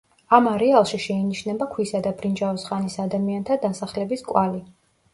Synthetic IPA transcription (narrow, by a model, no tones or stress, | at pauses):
amaɾɛalˠʃiʃɛiniʃnɛbakʰwisad̪abɾind͡ʒavɔsχanisad̪amiant̪ʰad̪asaχlɛbiskʼwali